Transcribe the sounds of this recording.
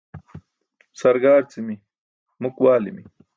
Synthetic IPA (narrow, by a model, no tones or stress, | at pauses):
sɐɾɡaːɾt͡simi | mukwaːlḭmi